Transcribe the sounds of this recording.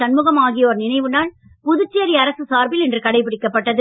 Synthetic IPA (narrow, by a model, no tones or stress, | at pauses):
ɐnmɯɣɐmaːɣɪjɐoːɾnɪnɐɪʋɯnaːl | pʊðɯt͡ʃːeːɾiɐɾɐsɯsaːɾbɪlɛndrɯkɐɽɐɪpːɪɽɪkːɐpːɐʈːɐðɯ